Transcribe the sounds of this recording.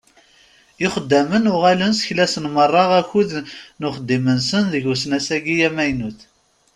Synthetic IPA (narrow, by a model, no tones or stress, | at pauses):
ɪχəd̪ːæmənʊʁælənsçlæsənmərˤːɑʁæçuðnʊχəd̪ːimənsənðəʝusnæsæɡijæmæjnuθ